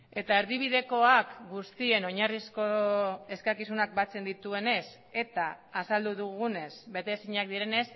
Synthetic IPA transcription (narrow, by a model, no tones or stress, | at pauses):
e̞t̪aeɾðiβ̞iðe̞ko̞akɡust̪ie̞no̞ɲarisko̞e̞skakisunak̚bat͡se̞nd̪it̪ue̞ne̞s | e̞t̪aːsald̪uðuɣune̞sbe̞t̪e̞siɲak̚d̪iɾe̞ne̞s